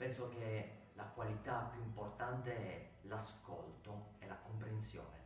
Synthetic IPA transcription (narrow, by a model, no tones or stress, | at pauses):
pɛnsok̟e | lakwalit̪apːjuimport̪ant̪eɛ | lasko̰lt̪oelakompɾensjo̰ːne